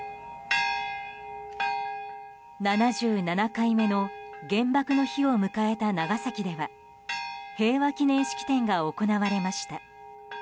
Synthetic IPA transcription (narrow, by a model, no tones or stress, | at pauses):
nanaʑɨːnanakaime̞no̞ɡẽ̞mbakɯ̟no̞çio̞mɯ̟kae̞t̪anaɡasakʲid̪e̞βa | he̞ːβakʲinẽ̞ɰ̃ɕi̥kʲi̥t̪ẽ̞ŋɡaoko̞naβaɾe̞maɕi̥t̪a